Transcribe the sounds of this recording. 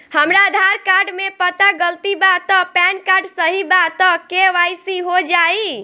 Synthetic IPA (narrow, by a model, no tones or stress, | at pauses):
həmɾaəd̪ʱaɾkaɾɖmepət̪aɡəlt̪ibat̪ɔpɛnkaɾɖsəɦibat̪ɔkeʋajsiɦod͡ʒai